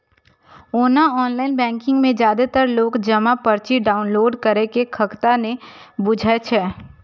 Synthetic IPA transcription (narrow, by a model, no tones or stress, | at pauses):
oːnaɔːnlaːɪnbɛ̃ːŋkɪ̃ŋɡmẽd͡ʒjaːd̪et̪əɾloːɡd͡ʒɐmapəɾt͡ʃiɖaːʊnloːɖkəɾekekʰəkt̪anẽbʊd͡ʒʱaet͡ʃʰɛː